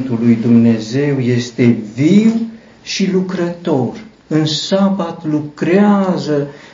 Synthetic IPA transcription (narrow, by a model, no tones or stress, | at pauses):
nt̪ulːujd̪umnezewjest̪eviw | ʃilukɾət̪or | ɨnsabat̪lukɾeazə